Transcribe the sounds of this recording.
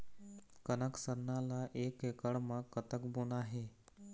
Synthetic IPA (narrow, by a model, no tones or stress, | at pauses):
kənəksənːalaʔekekəɭməkːət̪əkbonaɦe